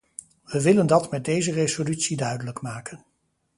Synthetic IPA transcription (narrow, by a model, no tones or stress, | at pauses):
ʋəʋɪləndɑtmɛt̚dejzərezolytsidœɥdələkmaːkən